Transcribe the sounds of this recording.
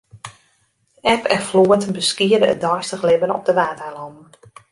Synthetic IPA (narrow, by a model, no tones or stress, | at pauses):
ɛpʰɛnfloətənbəskiədəə̰t̚dɔjstəχlɪbənɔ̰p̚dəʋaːtɛlɔmn